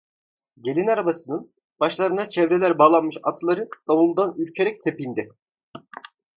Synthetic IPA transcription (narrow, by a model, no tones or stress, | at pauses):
ɟe̞lʲinaɾabasɯnɯn | b̥aʃlˠaɾɯnat͡ʃʰɛvɾelʲæɾbaːlˠanmɯʃat̪ʰlˠaɾɯd̪̥amulˠd̪anyɾʲcʰe̞ɾɛc̚t̪ʰepind̪i